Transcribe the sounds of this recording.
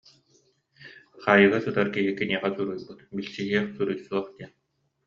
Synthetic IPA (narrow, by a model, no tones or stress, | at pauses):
χaːjɯɣɯsɯt̪aɾkiɦikːɛniɛʁasuɾujbɯt̪bilt͡ɕiɦiɛχsuɾujsuɔχt̪iɛ